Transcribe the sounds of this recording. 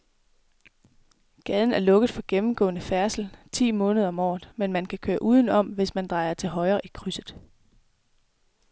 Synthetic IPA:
ɡ̥ɛð̞ˠn̩æɐlɔ̽ɡ̥əð̞̩ˠfɒ̽ɡ̥emm̩ɡ̥ɔ̰̽ːnəfæɐsl̩t͡sʰḭːmɔ̽ːnəð̞ˠɐɒ̽mɒ̰ːð̩ˠmenmænkʰækʰøːɐʔuːðˠn̩ɒ̽mʋe̝smænd̥ʁɑ̈ɪɐt͡sʰe̝lɦɒ̽ɪɐːʔikʰʁysðˠ

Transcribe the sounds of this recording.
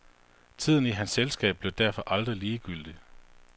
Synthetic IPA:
t͡sʰið̰ˠn̩iɦænsːelsɡ̥ɛ̰ːb̥̚b̥leʊd̥æɐ̰fɒ̽ʔɑ̈ld̥ʁiliːɡ̥yl̰d̥i

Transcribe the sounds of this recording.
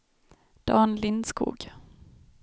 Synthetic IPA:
d̪̥ɑːnlɪnskṵːɡ̥

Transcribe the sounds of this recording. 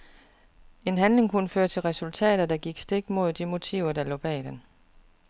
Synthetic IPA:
e̝nɦænle̝ŋkʰunəføːɐt͡sʰe̝lʁɛsult͡sʰɛ̰ːd̥ðɐd̥ɑ̈ɡ̥iɡ̥sd̥e̝ɡ̥mo̝ð̰ˠd̥imo̝t͡sʰḭʊɐd̥ɑlɔ̰̽ːb̥ɛ̰d̥en

